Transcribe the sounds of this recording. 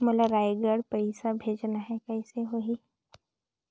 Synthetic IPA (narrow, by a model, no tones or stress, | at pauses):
molaɾaːeɡəɽpɐɪsabʱeːd͡ʒnaɦɛkɛseɦoɦi